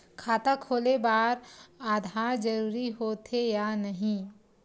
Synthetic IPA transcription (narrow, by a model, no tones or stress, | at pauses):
kʰaːt̪akʰoːlebaːɾaːd̪ʱaːɾd͡ʒɐɾuːɾiɦoːt̪ʰejanɐɦĩ